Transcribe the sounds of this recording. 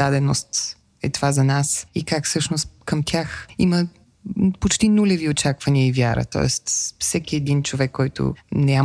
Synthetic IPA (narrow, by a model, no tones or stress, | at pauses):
d̪ad̪ɛnost̪ | ɛt̪ovazɐnasikakfsɤʃnost̪kəmt̪ʲjaximə | pot͡ʃt̪inulʲɛviot͡ʃakvɐniəivjaɾə̰t̪ɔ̰ɛ̰st̪fsɛkʲiɛd̪int͡ʃovɛkːɔjt̪o̰na